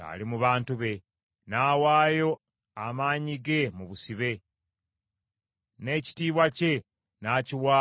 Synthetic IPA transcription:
a̰limuβaːntuβe̞ | naːwaːjo̞ | amaːɲiɡe̞muβusiβe̞ | ne̞ːci̥tiːβwace̞ | naciwa

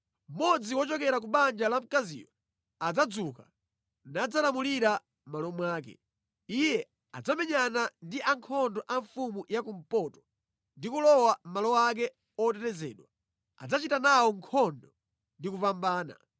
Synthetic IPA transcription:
m̩mɔd͡ziwɔt͡ʃɔkɛɾak̬uɓand͡ʒalam̩kazḭːwɔ | ad͡zad͡zuka | nad͡zalamuliɾa | malɔmwaːk̬ɛ̰ | ijɛ | ad͡zamɛɲanandiʔaŋkʰɔndɔʔaɱfumujakum̩pɔtɔ̥ | ndikulɔwam̩malɔak̬ɛ | ɔtɛtɛzɛ̰ːɗwa | a̰d͡zat͡ʃitanawɔŋkʰɔndɔ | ndikupambaːna̰

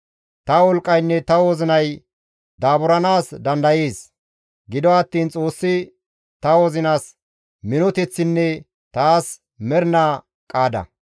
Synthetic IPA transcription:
t̪ɐwɔlkʼːɐjnːɛt̪ɐwoːzɪnɐj | d̪aːbʊɾɐnaːsd̪ɐnd̪ɐjeːs | ɡɪd̪ɔɐt̪ːiːnt͡sʼo̞ːsːɪ | t̪ɐwɔzɪnaːs | mɪnɔt̪ɛt͡sːɪnːɛ | t̪aːs | mɛɾna | kʼaːd̪ɐ̰

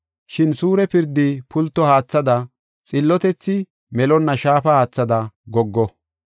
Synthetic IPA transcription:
ʃɪnsuːɾɛpɪɾd̪ɪpʰʊlt̪ːɔhaːt͡sːɐd̪ɐ | t͡sʼɪlːɔt̪ɛt͡sːɪ | mɛlɔnːɐʃaːfɐhaːt͡sːɐd̪ɐɡɔɡːɔ

